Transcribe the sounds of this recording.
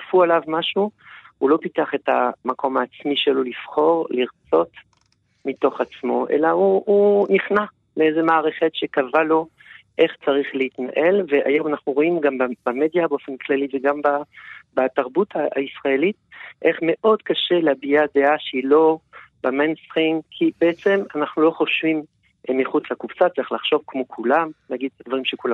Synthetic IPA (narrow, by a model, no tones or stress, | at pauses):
fualavmaʃuhulo̞piteaχe̞ta̰makʰo̞maːt͡smiʃelolifχo̞ʁliʁt͡so̞t | mito̞χat͡smo̞̰ʔḛlauuniχna | leezemaːʁeχetʃekavalo̞ | ʔe̞χt͡saʁiχleitna̰ʔe̞lvea̰jo̞manaχnuʁo̞imɡambabamed̪jabeo̞fe̞nklaliveɡambabat̪aʁbutaa̰isʁaelit̚ʔe̞χme̞ʔo̞d̥̪kaʃe̞leabiad̪eaʃeilo̞bamenst̪ʁiŋkʰibeet͡se̞manaχnulo̞χo̞ʃvim | miχut͡slakuvsat͡saʁiχlaχʃo̞vkmo̞kʰulamnaɡid̪̚tad̪vaʁimʃekula